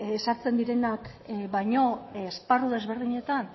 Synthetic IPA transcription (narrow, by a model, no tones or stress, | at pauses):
saɾt͡se̞nd̪iɾe̞nak | bajɲo̞ːsparuðe̞zβe̞ɾðiɲe̞t̪an